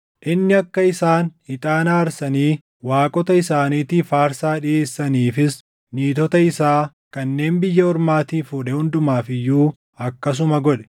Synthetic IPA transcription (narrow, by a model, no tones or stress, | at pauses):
ʔɪnːɪɐkːɐɪsaːnhɪt̪ʼaːnaːɾsɐniː | waːkʼɔt̪ɐɪsaːniːt̪iːfaːɾsaːᶑɪeːsːɐniːfɪs | niːt̪ɔt̪ɐɪsaː | kɐnːe̞ːnbɪjːɐɔɾmaːt̪iːfuːᶑɛhʊnd̪ʊmaːfɪjːuː | ɐkːɐs̬ʊmɐɡɔᶑɛ̥